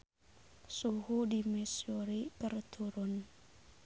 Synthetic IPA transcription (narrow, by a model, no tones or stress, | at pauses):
suhudimɛsioɾikərt̪ʰuɾʊn